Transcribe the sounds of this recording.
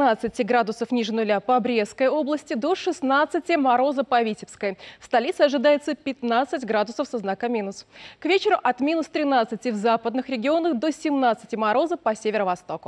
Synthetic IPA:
nat̪sɨtʲɪɡɾad̪ʊsəfnʲiʐɨnʊlʲapəɐɐbɾʲeskəjo̞blˠəsʲtʲɪd̪o̞ʂɨsnat̪sɨtʲɪmɐɾo̞zəpɐvʲitʲɪpskəjfst̪ɐlʲit̪sɨɐʐɨd̪ajɪt̪səpʲɪt̪nat̪sɨtʲɡɾad̪ʊsəfsɐznakəmʲinʊskvʲet͡ɕɪɾʊʔɐt̪mʲinʊst̪ɾʲɪnat̪sɨtʲɪvzapəd̪nɨxɾʲɪɡʲɪo̞nəxd̪o̞sʲɪmnat̪sɨtʲɪmɐɾo̞zəpɐsʲevʲɪɾəvɐst̪o̞kʊ

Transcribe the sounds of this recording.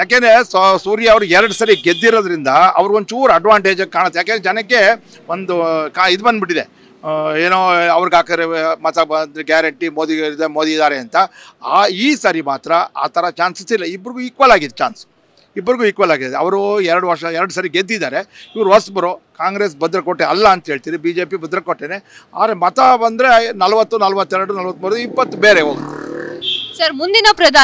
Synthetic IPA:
jaːkend̪ɾessuːɾjɐːʋɐɾuɛɾɐɽusɐɾiɡed̪ːiɾoːd̪ɐɾind̪ɐɐ̰ʋɐɾiɡont͡ʃuːɾɐɖʋaːɳʈeːd͡ʒɐkːkːaːɳɐt̪ːjaːk̬enɾɛd͡ʒɐnɐkːe̞ | ond̪ukaid̪ubɐnd̪biʈːid̪e | eːnoːɐʋɐɾiɡaːkɐd̪ɾemɐt̪aɐnd̪ɾeɡjaːɾɐɳʈimod̪id̪emoːd̪iːd̪aːɾeɐnt̪ɐaːiːsaːɾimaːt̪ɾɐa̰ːt̪ʰɐɾɐt͡ʃaːnsist̪ilːɐibːɐɾiɡuiːkʋɐlaːɡid̪ɛt͡ʃa̰ːnsu̥ | ibːɐɾiɡuiːkʋɐlaːɡid̪ɐ̰ʋɐɾuɛɾɐɽuʋɐɾʂɐɛɾɐɽusɐɾiɡed̪ːid̪aːɾe̞iʋɐɾuɦɐsbɐɾoːkaːŋɡɾe̞ːs̬bɐd̪ɾɐkoʈːeɐlːɐːnt̪ɐɦeɭt̪iːɾibiːd͡ʒe̞ːpibɐd̪ɾɐkoʈːeːnea̰ːd̪ɾemɐt̪ɐbɐnd̪ɾenɐlɐʋɐt̪ːunɐlɐʋɐt̪ːɛɾɐɽunɐlʋɐt̪ːmuːɾd̪uipːɐt̪ːubeːɾeoːɡ | sɐɾmund̪inɐpɾɐd̪ʱa

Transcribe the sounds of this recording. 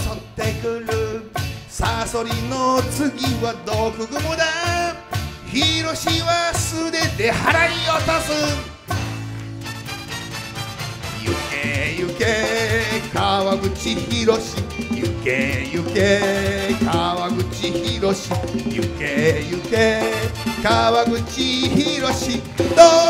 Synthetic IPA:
t̪ot̪ːe̞kɯɾɯ̟saso̞ɾʲino̞t͡sɨɡʲiβad̪o̞kɯ̟ɡɯ̟mod̪a | çiɾo̞ɕiβasɨd̪e̞t̪e̞haɾaiot̪asɨ | jɯ̰kejɯke | kaβaɡɯ̟t͡ɕiçiɾo̞ɕijɯ̰kejɯkekaβaɡɯ̟t͡ɕiçiɾoɕijɯkejɯke | kaβaɡɯ̟t͡ɕiçiɾo̞ɕi | d̪o

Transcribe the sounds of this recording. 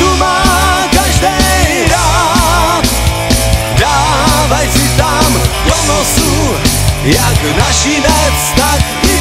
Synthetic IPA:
t̪umaː | kaʒdɛ | ɾa | t̪ | daː | vajsɪt̪amponɔsu | jaknaʃinɛt͡st̪ak

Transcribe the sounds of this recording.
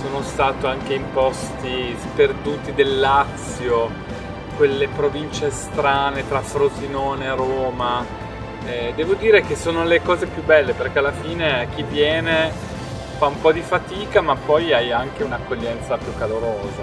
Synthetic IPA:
soːnost̪aːt̪oaŋk̟eimpɔst̪isperd̪uːt̪id̪elːat̪sjo | kwelːepɾovint͡ʃest̪ɾaːnet̪ɾafɾozinoːneɾoːma | ɛd̪ɛːvod̪iːɾekesoːnolekɔːzepjubɛlːeperkealːafiːneak̟ːivːjɛːne | faumpɔd̪ifat̪iːkamapːɔjajaŋkeunakːoʎːɛnt̪sapjukːaloɾoːza

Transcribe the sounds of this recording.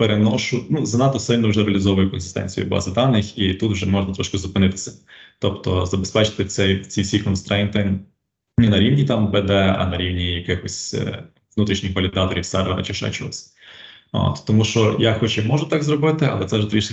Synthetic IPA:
peɾenɔʃʊnuzɐnɑt̪ɔsɪlʲnɔwʒɛɾeɐlʲɪzɔʋʊjʊkɔnsɪst̪ɛ̰nʲt͡sʲijʊ̰b̰zɪd̪ɑnɪxit̪ut̪wʒɛmɔʒnɐt̪ɾɔʃkɪzʊpɪnɪt̪ɪ̥sʲɛ̥t̪ɔpt̪ɔzɐbespɛt͡ʃɪ̥t̪ɪt͡sʲsʲɛjt͡sʲiwsʲijkɔnst̪ɾɛnt̪ɪ | nɛnɐɾʲiwnʲit̪ɑmbɛd̪ɛɐ̰nɐɾʲiwnʲijɐkɪxɔsʲ | ʋnut̪ɾʲiʃnʲɪxʋɐlʲɪd̪ɑt̪ɔɾʲiwsɛrʋɛɾɐ̰t͡ʃɪʃɛ̰t͡ʃɔɔsʲ | o̰t̪t̪ɔmuʃɔjaxɔt͡ʃɛmɔʒʊt̪ɑɡzɾɔbɪt̪ɪɐ̰lˠɛt̪sɛwʒɛd̪ɾʲiʃ

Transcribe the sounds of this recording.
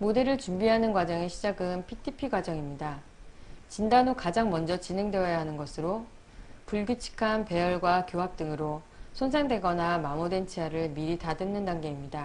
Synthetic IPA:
mode̞ɾɯɭt͡ɕumbiɦanɯnɡwad͡ʑʌŋeɕʰid͡ʑaɡɯnpʰitʰipʰiɡwad͡ʑʌŋimɲida | t͡ɕindanokad͡ʑaŋmʌnd͡ʑʌt͡ɕine̞ŋdwe̞ʌjaɦanɯnɡʌsʰɯɾo | puɭɡjut͡ɕʰi̥kʰanpe̞jʌɭɡwakjoɦap̚t͈ɯŋɯɾo | sʰons̬ʰaŋdwe̞ɡʌnamamode̞nt͡ɕʰiɦaɾɯɭmiɾitadɯnːɯndaŋɡe̞imɲida

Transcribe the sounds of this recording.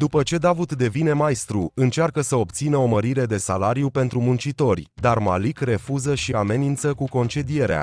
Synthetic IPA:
d̪upət͡ʃe̞d̪avut̪d̪e̞vine̞majst̪ɾuɨnt͡ʃarkəsəo̞p̚t̪sinəo̞məɾiɾe̞d̪e̞salaɾijupe̞nt̪ɾumunt͡ʃit̪o̞rʲd̪arma̰likre̞fuzəʃiame̞nint̪səkuko̞nt͡ʃe̞d̪ije̞ɾea̰

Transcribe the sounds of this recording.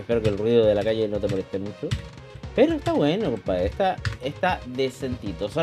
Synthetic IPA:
ehpeɾokelrwiðoðe̞lakaʝe̞not̪epaɾesemut͡ʃo | pe̞ɾoest̪aβwe̞nokopaest̪aest̪aðesent̪it̪oso

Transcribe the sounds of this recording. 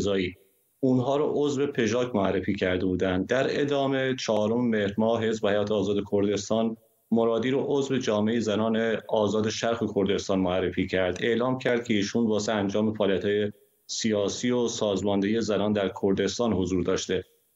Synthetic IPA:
zɒːiː | unɦɒːɾɔʔozve̞pʰe̞ʒɒːcmoærːe̞fiːcʰæɾd̪e̞buːd̪ænd̪̚d̪æɾe̞d̪ɒːme̞t͡ʃʰɒɦːɾo̞memehɾmɒːɦe̞zbehæjɒːt̪ʰeːzɒːd̪e̞kʰo̞ɾd̪e̞st̪ɒːn | moɾɒːd̪iːɾoʔozve̞d͡ʒɒːmeejezænɒːneɒːzɒːd̪eʃæɾxekʰo̞ɾd̪e̞st̪ɒːnmoærːefiːcʰæɾd̪̥e̞ʔlɒːmcʰæɾd̪̚cʰe̞iːʃuːnvɒːseænd͡ʒɒːmefæɒːliæt̪hɒːje | sijɒːsiːosɒːzmɒnd̪ejezænɒːnd̪æɾkʰoɾd̪e̞st̪ɒːnho̞zuːɾd̪ɒːʃt̪e̞

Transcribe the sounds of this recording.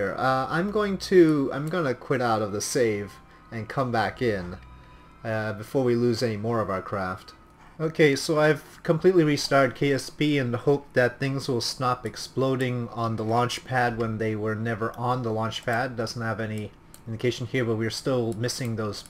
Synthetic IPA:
ɹʌã̰ɪ̃mɡoʊɪ̃ŋtʰɨã̰ɪ̃mɡʌnɨkʰw̥ɪɾaʊɾʌvðəseɪv | ɨ̃nkʰʌ̃mbækɪ̃n | bɨfɔɹwilʉzɛnimɔɹʌvaʊə˞kʰɹ̥æft | oʊkʰeɪsoʊaɪv̥kʰə̃m̩pʰl̥itˡliɹistɑɹɾɨd̚kʰeɪɛspiɨ̃nhoʊp̚ðɨt̪̚θɪ̃ŋzwɪlˠstɑpɨksploʊɾɪ̃ŋə̃nðəlɑ̃nt͡ʃpʰæd̚wə̃nðeɪwə˞nɛvə˞ʔə̃nðəlɑ̃nt͡ʃpʰæd̚dʌzn̩t̚hɨvɛni | ɪ̃ndɨkʰeɪʃn̩hiɹbʌt̚wiə˞stɪlˠmɪsɪ̃ŋðoʊz̥

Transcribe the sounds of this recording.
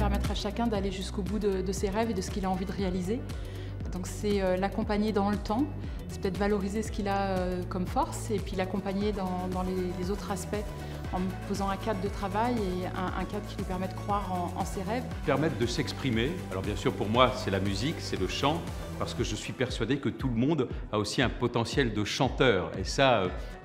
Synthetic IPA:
pɛʁmɛt̪χaʃakʲɛ̃d̪aleʒyskobud̪əd̪əseʁɛved̪əsə̥kʲilaɑ̃vid̪əʁealize | d̪ɔ̃ksɛølakɔ̃paɲed̪ɑ̃lət̪ɑ̃ | sɛ̥pət̪ɛt̪dvalɔʁizesə̥kʲilaøkɔmfɔʁsepɥilakɔ̃paɲed̪ɑ̃d̪ɑ̃lelezot̪χaspɛ | ɑ̃mpozɑ̃ɛ̃kad̪ːət̪χavajeɛ̰̃ʔɛ̰̃kad̪kʲilɥipɛʁmɛd̪əkχwaʁɑ̃ɑ̰̃seʁɛv | pɛʁmɛt̪̚d̪əsɛkspχimealɔ̰ʁbjɛ̃syʁpuʁmwasɛlamyziksɛləʃɑ̃ | paʁsə̥kəʒəsɥipɛʁsɥad̪ekət̪uləmɔ̃d̪ | aosiɛ̃pɔt̪ɑ̃sjɛld̪əʃɑ̃t̪œːʁḛsaø

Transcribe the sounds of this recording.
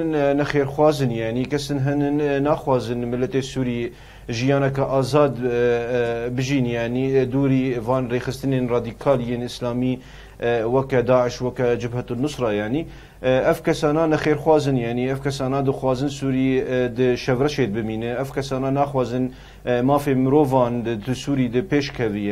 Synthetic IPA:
nnɛxeːɾxwɑːzɨnjaʕnikɛsɨnɦɨnɨnnːɑːxwɑːzɨnmɨlːɛt̪eːsuːɾi | ʒijɑːnɛkɑʔɑːzɑːd̪ | bɨʒiːnjaːʕniːd̪uːɾiːvɑːnreːxɨst̪ɨneːnrɑːd̪iːkʰɑːljeːnɨslaːmiː | wɛkɛd̪ɑːʕəʃwɛkɛd͡ʒɪbhɛt̪unʊsɾɑːjaːʕniː | ʔɛvkʰɛsɑːnaːnɛxeːɾxwɑːzɨnjaːʕniɛvkʰɛsɑːnɑːd̪ɨxwɑːzɨnsuːɾid̪ɨʃɛvrɛʃeːd̪̚bɨmiːnɨʔɛvkʰɛsɑːnaːnɑːxwɑːzɨn | mɑːfemɨɾoːvɑːnd̪ɨsuːɾiːd̪ɨpeːʃkʰɛvij

